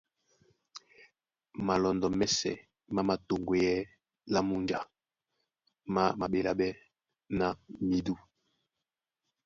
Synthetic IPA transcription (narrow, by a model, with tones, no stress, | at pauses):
ma˨lɔ˨ndɔ˨mɛ˦sɛ̰˨ | ma˦ma˨to˨ŋɡe˨jɛ˦ | la˦mu˦nd͡ʒa˨ | ma˦ma˨ɓe˨la˦bɛ˦ | na˦˨mi˦du˦